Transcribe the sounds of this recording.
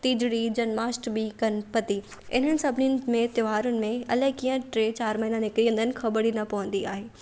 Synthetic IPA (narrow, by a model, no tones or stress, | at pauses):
t̪iːd͡ʑɽid͡ʑɐnmaːsʈbikɐnpɐt̪i | ɪ̰n̤ənɪ̆sɐbʱniʊnɪmẽt̪joʋaːɾʊnɪ̆mẽɐlɐɦɪkiːə̃ʈɾeːt͡ɕaːɾmɐɦiːnãnɪkɾijə̃nd̪ʱənɪ̆xɐbəɽinɐpɐʋə̃n̆d̪iaːɦeː